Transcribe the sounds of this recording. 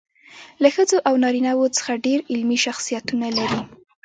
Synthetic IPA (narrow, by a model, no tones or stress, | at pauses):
laxəd͡zoʔawnɑɾinawot͡sə̥xaɖeɾɪlmiʃaxsijat̪unalaɾi